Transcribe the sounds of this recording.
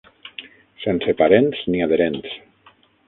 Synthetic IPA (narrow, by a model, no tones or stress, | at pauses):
sensepaɾensniað̞eɾens